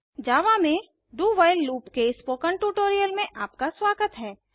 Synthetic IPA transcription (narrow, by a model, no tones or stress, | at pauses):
d͡ʒaːʋamẽ | ɖuːʋaːɪlːuːpkespoːkəɳʈuːʈoːɾijəlmẽʔaːpkaswaːɡət̪ɦɛː